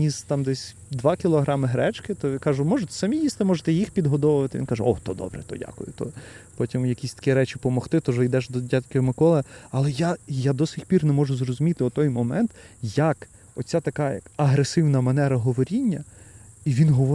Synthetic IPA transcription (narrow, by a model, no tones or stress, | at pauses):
nʲizt̪ɑmd̪ɛsʲ | d̪ʋɑkʲilˠɔɦɾɑmɪɦɾɛt͡ʃkɪt̪ɔʋɪkɑʒʊmɔʒʊt̪sɐmʲijist̪ɪmɔʒet̪ɛjixpʲid̪ɦɔd̪ɔʋʊʋɐt̪ɪʋʲinkɑʒɛɔt̪ɔd̪ɔ̰bɾɛ̰t̪ɔ̰dʲa̰kʊ̰jʊ̰t̪ɔ̰pɔtʲimjɐkʲisʲt̪ɐ̥kʲɛɾɛt͡ʃʲɪpɔmɔxt̪ɪt̪ɔʒɪjd̪ɛʒd̪ɔdʲatʲkʲɔɔmɪkɔlˠɐɐlˠɛjajad̪ɔsʲʋʲixʲpʲirnɛmɔʒʊzrɔzʊmʲit̪ɪʊt̪ɔjmɔmɛnt̪jɐk | ɔ̰t͡sʲːat̪ɐkɑjɐ̰kɐɦɾesɪwnɐmɐnɛɾɐɦɔʋɔɾʲinʲːɐiʋʲinɦɔʋɔ